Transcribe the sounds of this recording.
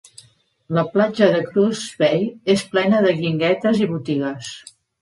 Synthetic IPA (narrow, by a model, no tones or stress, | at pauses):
ləplad͡ʒəðəkɾuzβɛjesplɛnəðəɣiŋɡɛt̪əziβut̪iɣəs